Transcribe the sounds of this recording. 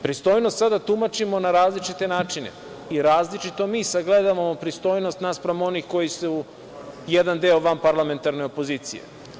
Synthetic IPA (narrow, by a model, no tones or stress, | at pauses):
pɾist̪o̞ːjnost̪sad̪at̪umat͡ʃimo̞naɾaːzlit͡ʃit̪e̞naːt͡ʃinḛ | iɾaːzlit͡ʃit̪o̞miːsaɡled̪aʋamo̞pɾist̪o̞ːjno̞st̪naspɾamo̞nixko̞jisuu | jed̪and̪eoʋampaɾlame̞nt̪aɾneo̞po̞ziːt̪sḭjḛ